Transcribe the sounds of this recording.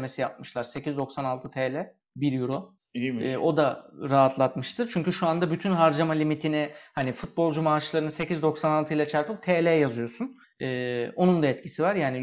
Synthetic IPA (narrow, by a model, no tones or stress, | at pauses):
me̞sijap̚mɯʃlˠaɾse̞cizd̪o̞ksanalˠt̪ʰɯt̪ʰɛːlʲɛ | biɾjuɾo | ʔo̞d̪aɾaɦat̪ʰlˠat̪mɯʃt̪ʰɯɾt͡ʃʰyɲcyʃuand̪abyt̪ʰynɦaɾd͡ʒamalʲimit̪ʰinɪhanifut̪̚bo̞lˠd͡ʒumaːʃlˠaɾɯnɯse̞cʰizd̪o̞ksanalˠt̪ʰɯilˠat͡ʃʰæɾpɯk̚t̪ʰeːlʲɛjɛjazɯjo̞sun | ɯːo̞nund̪aɛt̪cʰisivaɾjaːni